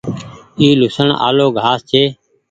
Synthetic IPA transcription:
iːlʊsəɳa̰ːloːɡʱaːst͡ʃʰeː

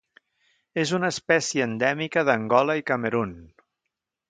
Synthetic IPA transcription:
ezunəːspɛsjəːnd̪ɛmikəðəŋɡɔləikəməɾun

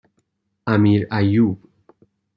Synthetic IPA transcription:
amiɾajub

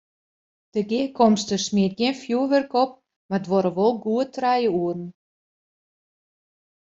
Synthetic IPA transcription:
d̥əɡikʰɔmstəsmiət̚ɡiənfjuəʋərkɔp̚ | marədʋoɾəʋolˠɡuətrɛjəuərn̩

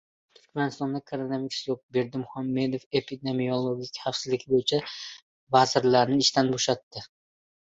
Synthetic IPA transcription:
t̪ʰʊɾkʲmanɪst̪ɒnd̪akʰaɾonamɪkʲslˠop̚be̞ɾd̪ɪmʊhamːe̞d̪ofe̞pʰid̪e̞miolˠoɡʲɪkʲχafsɪzlɪɡʲʰɪbojɪt͡ʃʰa | vazɪɾlaɾnɪɪʃt̪ʰanboʃat̪ːɪ

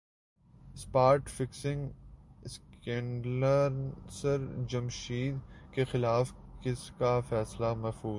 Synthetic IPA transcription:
spaːɾʈfɪksɪ̃ŋɡskɛ̃ːɳɖləɾsəɾd͡ʒɐmʃiːd̪kexɪlaːfkɪskafɛːslamɛɦfuː

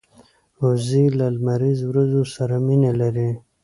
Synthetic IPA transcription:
ozilalmaɾizwɾazosaɾaminelaɾi

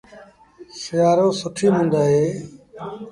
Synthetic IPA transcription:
sɪjaːɾõːsʊʈʰiːɦũːnd̪aːɦeː

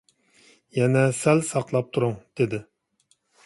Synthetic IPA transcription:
jɛnɛsɛlsɑqlˠɑp̚t̪ʰuɾʊŋd̪̥ed̪ɪ

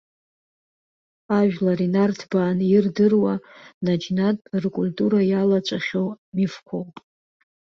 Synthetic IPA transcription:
aʒᶣlaɾinartʰbaːnirdɨrwanad͡ʒnatʼrkʷʼultʼuɾajalat͡ʃʷʼaχʲowmifkʷʰowpʼ

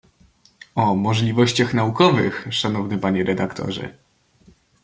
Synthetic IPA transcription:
ɔmɔʐlʲivɔɕt͡ɕaxnaukɔvɘxʂanɔvnɘpaɲɛɾɛd̪akt̪ʰɔ̰ʐɛ̰

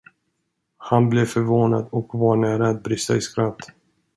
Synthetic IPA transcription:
hanblɛvfœɾvoːna̰d̪ɔkvaɳæːɾaːt̪̚bɾɪst̪a̰ɪskɾat̪ː

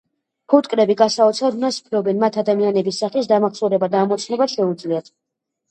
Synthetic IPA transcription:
pʰut̪ʼkʼɾɛbiɡasaɔt̪sʰad̪unasu̥pʰɾɔbɛnmat̪ʰad̪amianɛbisːaχisd̪amaχsɔɾɛbad̪aːmɔt̪sʰnɛbaʃɛud̪zliat̪ʰ

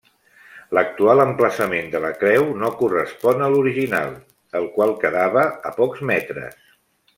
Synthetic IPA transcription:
lək̚t̪ualəmpləsəmend̪ələkɾɛwnokurəspɔnəluɾiʒina̰lˠ | əlˠkwalˠkəðaβəəpɔkzmɛt̪ɾə̰s

